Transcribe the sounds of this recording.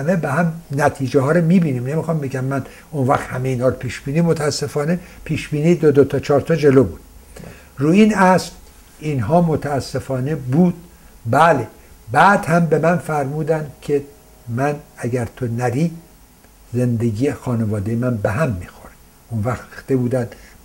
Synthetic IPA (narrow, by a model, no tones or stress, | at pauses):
hæmebehæmnæt̪ʰiːd͡ʒeɦɒːɾomiːbiːniːmnemixɒmbeɡæmːæn | onvæxt̪hæmeiːnhɒːɾopʰiːʃb̥iːniːmot̪ʰææsːe̞fɒːne̞pʰiːʃb̥iːnid̪od̪ot̪ʰɒt͡ʃʰɒːɾt̪ʰɒd͡ʒe̞loːbuːd̪̥̚ | ruːinæsl | inɦɒːmot̪ʰæːsːe̞fɒːnebuːd̪̥̚ | bæle | bæːd̪hæmbe̞mænfæɾmuːd̪ænd̪kʰe̞ | mænæɡæɾt̪ʰonæɾiː | zend̪eɡijexɒːnevɒːd̪ejemænbeɦæmːiːxoɾe | onvæxxt̪ebuːd̪ænd̪